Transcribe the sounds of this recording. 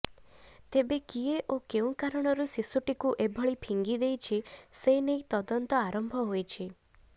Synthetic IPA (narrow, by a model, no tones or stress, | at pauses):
t̪ebekieʔokeũkaɾɔɽ̃ɔɾusisuʈikuʔebʱɔɭipʰiŋɡid̪ejt͡ʃʰisenejt̪ɔd̪ɔnt̪ɔaɾɔmbʱɔɦojt͡ʃʰi